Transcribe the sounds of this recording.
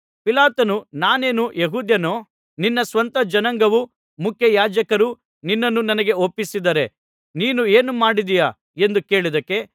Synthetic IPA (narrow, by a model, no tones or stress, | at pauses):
pilaːt̪ɐnunaːneːnujeɦuːd̪jɐnoː | ninːɐsʋɐnt̪ɐd͡ʒɐnɐŋɡɐʋu | mukʰjɐjaːd͡ʒɐkɐɾu | ninːɐnːunɐnɐɡe̞opːisid̪ɐɾe̞ | niːnue̞ːnumaːɽid̪ija | e̞nd̪ukeːɭid̪ɐkːe̞